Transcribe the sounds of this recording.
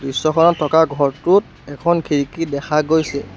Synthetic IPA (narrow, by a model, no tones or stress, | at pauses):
dɹisːɔkʰɔnɔtʰːɔkaɡʱɔɹtut̚ | ɛkʰɔnkʰiɹikidɛkʰaɡojsɛ